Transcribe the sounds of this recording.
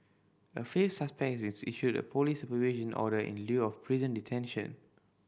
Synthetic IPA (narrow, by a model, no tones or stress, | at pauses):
əfefsaspɛk̚sbĩnsʔiʃudə̰pʰolisupəvid͡ʒə̃nʔɔ̰ɾəʔḭ̃nljuɔfpʰɹizə̃nditʰɛ̃nʃə̰̃n